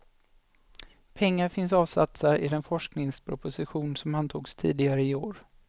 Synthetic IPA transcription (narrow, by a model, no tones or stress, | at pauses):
pʰɛŋːaɾfɪnsɑːvsa̰t̪saɾɪ̰d̪ɛnfɔʂknɪŋspʰɾʊpʊsɪɧuːnsɔmant̪ʰuːɡst̪ʰḭːd̪ɪɡaɾəɪoːɾ